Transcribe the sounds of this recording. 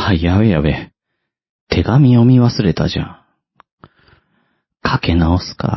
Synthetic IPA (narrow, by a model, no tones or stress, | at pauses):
haijaβejaβe | t̪ʰe̞ɡamʲio̞mʲiβasɨɾe̞t̪a̰ʑã̰ | kʰake̞naosɨ̥ka̰